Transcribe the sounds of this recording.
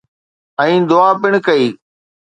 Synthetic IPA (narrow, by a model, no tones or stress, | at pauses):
ɛ̃ĩːd̪ʊaːpɪɳ̃kəiː